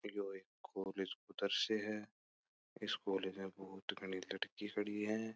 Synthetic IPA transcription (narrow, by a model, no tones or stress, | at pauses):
joːeːkʰːoːleːd͡ʒkʊd̪əɾseɦɛ | ɪskoːleːd͡ʒmẽbɐɦʊt̪ɡʱɐɽ̃ilɐɽkikʰɐɽiɦɛ̃ː